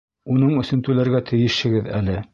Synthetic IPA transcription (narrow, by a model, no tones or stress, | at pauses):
unɤɴɵ̆sɵ̆nt̪ʉlæɾɡæt̪ʰɘ̆jɘ̆ʃhɘ̆ɡɘðælɘ